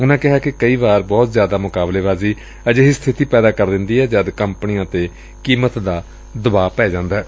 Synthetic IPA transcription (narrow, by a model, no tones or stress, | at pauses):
ʊnãːkɪɦaːkɪkəiːβaːɾbɔːt̪zjaːd̪aːmʊkaːbleːʋaːziː | əd͡ʒeːɦist̪ʰɪt̪iːpɛːd̪aːkəɾd̪ɪnd̪iːɦɛːd͡ʒəd̪kəmpnɪjãːt̪eː | kiːmət̪d̪aː | d̪ʊbaːpɛːd͡ʒãːnd̪aː